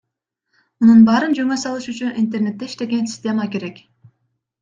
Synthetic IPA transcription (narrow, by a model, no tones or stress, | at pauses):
mununbɑːɾɯnd͡ʒøŋøsɑlˠɯʃyt͡ʃynʔint̪e̞rne̞t̪ːe̞iʃt̪e̞ɡe̞nsʲɪ̥sʲtʲe̞məke̞ɾe̞k